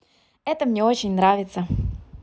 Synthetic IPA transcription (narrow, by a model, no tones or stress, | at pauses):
ɛt̪əmnʲeot͡ɕɪnʲnɾavʲɪt̪sə